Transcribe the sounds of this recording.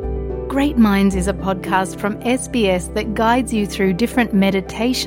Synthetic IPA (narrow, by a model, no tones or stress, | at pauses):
ɡ̥ɹeɪʔ̚mãɪ̃nzɪzəpʰɒd̚kʰɑˑstfɹə̃mɛsb̥iːɛsðəʔ̚ɡ̥aɪdzjəθɹʉːdɪfɹə̃nʔmɛɾɪtʰeɪʃə̃